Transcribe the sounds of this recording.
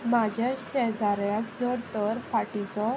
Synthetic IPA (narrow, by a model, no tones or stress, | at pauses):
mad͡ʑʱjaɕɛd͡zaɾjakd͡zɔɾt̪əɾfaʈit͡sɔ